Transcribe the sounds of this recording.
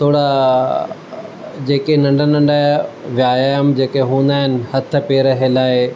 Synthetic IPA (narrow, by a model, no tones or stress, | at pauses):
t̪ʰoːɽa | d͡ʑeːkenɐ̃ɳɖʱənɐ̃ɳɖaʋjaːjaːjəmd͡ʑeːkeɦũːnd̪aːɦɪnɪ̆hɐt̪ʰə̆peːɾɐɦelaːɪ